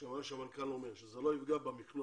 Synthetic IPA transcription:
aaʃeamankalo̞me̞ʁʃezelo̞ifɡabamiklu

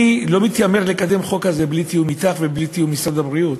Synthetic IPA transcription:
ilo̞mit̪jame̞ʁlekad̪e̞mχo̞khaze̞blit̪ijumit̪aχve̞blit̪ijumisadhabʁiut̪

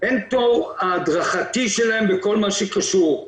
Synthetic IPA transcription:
ʔentovaːd̪ʁaχatiʃelaembeko̞lmaʃekaʃuʁ

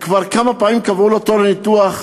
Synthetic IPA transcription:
kvaʁkamapaimkavulot̪olenit̪uaχ

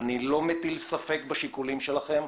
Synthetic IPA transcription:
nilo̞met̪ilsafe̞kbaʃikulimʃe̞laχe̞m

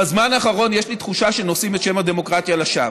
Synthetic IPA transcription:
bazmanaːχaʁo̞njeʃlit̪χuʃaʃe̞nosimet̪ʃe̞mad̪e̞mo̞kʁat̪jalaʃav

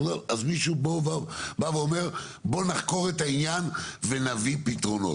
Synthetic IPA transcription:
loazmiʃubovabaveome̞ʁ | bo̞naχko̞ʁet̪ainjanve̞navipit̪ʁo̞no̰

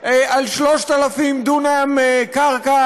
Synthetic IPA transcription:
alʃloʃt̪alafimd̪unamekaʁka

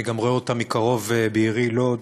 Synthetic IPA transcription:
iɡamʁoeotamikaʁo̞vebeiʁilo

